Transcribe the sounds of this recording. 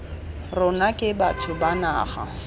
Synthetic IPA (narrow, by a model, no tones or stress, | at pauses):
rʊnakʼɪbatʰʊbana̰ːχa̰